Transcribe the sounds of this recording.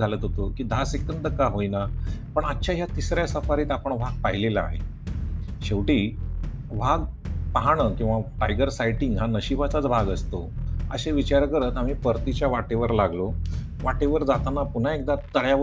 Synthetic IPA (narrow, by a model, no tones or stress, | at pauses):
alət̪ɦot̪okiːd̪ʱasekənd̪əkaɦojnapəɳətːɕʰaɦjat̪isɾjasəfaɾiːt̪apəɳʋ̤aɡ̚paɦilela̰ːɦḛ | ɕeʋʈiː | ʋ̤aɡpaɦaɳ̃əkĩw̃ʋaʈajɡəɾsajʈiŋɡɦanəɕibat͡sat͡sbʱaɡəst̪oə̰ɕeʋit͡ɕaɾkəɾət̪am̤iːpəɾt̪it͡ɕjaʋaʈeʋəɾlaɡlo | ʋaʈeʋəɾd͡zat̪anapun̤aek̚d̪at̪əɭja